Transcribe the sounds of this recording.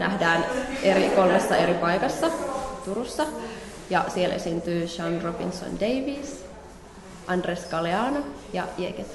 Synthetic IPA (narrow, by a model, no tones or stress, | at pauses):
næ̰hdæːnʔeɾikolmesːɑe̞ɾipɑjkɑsːɑt̪uɾusːɑ | jɑsielʔḛsint̪yːʃɑnrobḭnso̰ndeiʋis | ʔɑndreskɑleɑːnojɑ̰iḛket̪ː